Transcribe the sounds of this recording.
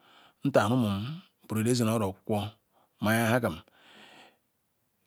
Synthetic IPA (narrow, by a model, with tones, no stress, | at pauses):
n̩˦ta˨nu˦mu˨m˨ | pu˨ɾe˨de˦ze˨no˦ɾo˨kʷo˦ | ma˨ja˦ha˦ka˨m˨